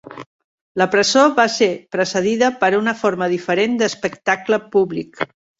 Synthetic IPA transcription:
ləpɾəzoβasepɾəsəð̞iðəpəɾunəfoɾməðifəɾend̪əspəkt̪akləpuβlik

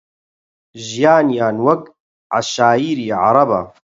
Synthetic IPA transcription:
ʒjaːnjaːnwɐk | ʕa̰ʃaːiːɾiːʕɑ̰ɾˤɑba̰

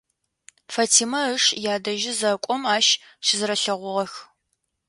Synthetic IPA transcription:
fɐtʰiːmɐəʂjaːdɐʒɪzɐkʷʼɔmaːʃ | ʃɪzɨɾɐɬɐʁʷʊʁɐx

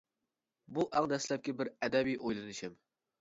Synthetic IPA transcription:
buʔæŋd̪ɛslɛp̚kʲɛbɪɾæd̪ɛbijʔojlˠɨnɨʃɪm

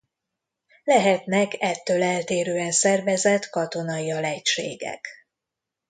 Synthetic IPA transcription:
lɛɦɛt̪nɛkɛt̪ːøːlɛlt̪eːɾøːɛnsɛrvɛzɛt̪kɒt̪o̞nɒiɒlɛcʃḛːɡɛ̰k

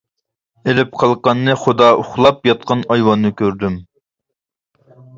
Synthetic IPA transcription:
elɪp̚qʰɑlˠqɑnːɨχod̪ɑʔʊχlˠɑpjɑt̪̚qɑnɑjwɑnːɨkʲøɾd̪ym

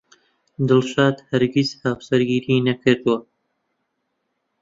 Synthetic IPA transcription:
d̪ɨlʃaːd̪hɐɾɡizhawsɐɾɡiːɾiːnɐkʰɨɾd̪ɨwɐ

